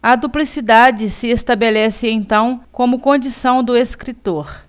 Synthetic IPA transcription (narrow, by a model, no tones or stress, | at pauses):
ɐd̪uplisid̪ad͡ʒɪsɪest̪abelɛsɪẽj̃t̪ɐ̃w̃kõmʊkõd͡ʒisɐ̃w̃d̪ʊeskɾit̪oɾ